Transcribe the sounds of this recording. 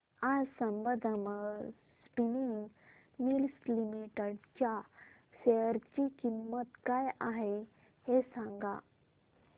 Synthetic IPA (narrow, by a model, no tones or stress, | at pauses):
ad͡zsəmbəd̪ʱəmə | spini | milslimiʈəɽt͡ɕja | ɕeəɾt͡ɕikimːət̪kajaɦe | hesãŋɡa̰